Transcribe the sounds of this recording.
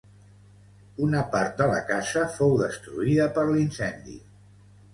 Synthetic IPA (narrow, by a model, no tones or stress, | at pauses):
unəpaɾt̪̚d̪ələ̰kasəfowðəst̪ɾṵiðəpəɾlinsɛnd̪ḭ